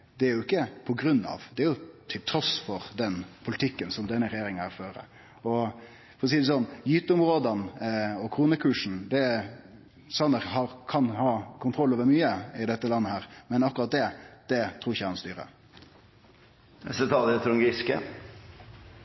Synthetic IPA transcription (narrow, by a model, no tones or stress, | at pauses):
d̪ɛæɾjʊɪkːəpʰɔɡɾʉnːɑ̰ʋd̪ɛæɾjʊt̪ʰɪlt̪ʰɾɔsfɔɾd̪ɛnpʰʊlɪt̪ʰɪkːənsɔmd̪ɛnːəɾɛjeːɾɪŋənhæːɾføːɾə̰ | ɔ | fɔɾʁɔsiːd̪ɛsɔnːjyːt̪əʊmɾoːd̪ɑnɔkʰɾuːnəkʰʉːʂɳ̩d̪ɛ | sɑnəɾɦɑɾkʰɑnhɑːkʰʊnt̪ɾɔlːoːʋəɾmyːəɪd̪ɛt̪ːəlɑnːəhæːɾmɛnɑkːɾɑt̪̚d̪ɛd̪̥ɛt̪ʰɾuːɾɪçːəkɑnst̪yːɾə̰ | sɛt̪ʰɑlɪət̪ʰɾʊŋɡɪskə̰